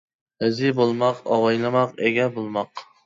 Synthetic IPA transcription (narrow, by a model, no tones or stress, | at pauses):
hɪzɪbolˠmɑqɑ̰wɑjlˠɨmɑqeɡʲɛbolˠmɑq